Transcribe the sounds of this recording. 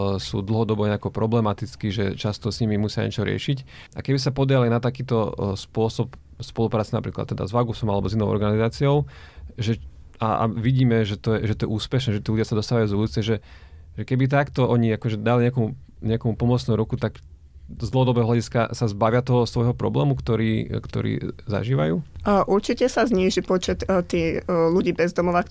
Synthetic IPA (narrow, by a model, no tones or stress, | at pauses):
sṵːd̪l̩ɦɔd̪ɔbɔɲɛakɔpɾɔblɛmat̪it͡skiʒɛt͡ʃast̪ɔsɲimimusɪa̰ɲɛ̰t͡ʃɔɾɪɛ̰ʃic | ʔa̰kɛbisapɔd̪ɾɪalajnat̪akiːt̪ɔspʊɔsɔp | spɔlupɾaːtt͡sina̰pɾiːkla̰t̪ːɛd̪a̰zʋaɡusɔmalɛbɔzinɔʊɔ̰ɾɡanizaːt͡siɔʊ | ʒɛ | a̰a̰ʋiɟiːmɛʒɛt̪ɔjɛʒɛt̪ɔjɛʔuːspɛʃnɛːʒɛt̪iːludjasad̪ɔst̪aʋajuzulut͡sɛʒɛ | ʒɛkɛbit̪̬akt̪ɔɔɲiakɔʒɛd̪aliɲɛkɔmu | ɲɛakɔmupɔmɔt͡snuɾukut̪ak | zd̪lɔɦɔd̪ɔbɛɦɔɦlaɟiska̰sazbaʋɪat̪ɔɦɔst̪ʋɔjɦɔpɾɔ̰blɛ̰ːmukt̪ɔɾiːkt̪ɔ̰ɾḭːza̰ʒiːʋa̰jṵːʔuɾt͡ʃicɛsazɲiːʒipɔt͡ʃɛt̪t̪iːluɟiːbɛzd̪ɔmɔʋak